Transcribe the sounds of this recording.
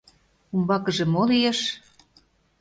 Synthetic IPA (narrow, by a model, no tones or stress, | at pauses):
umbɑkə̆ʒĕmolijeʃ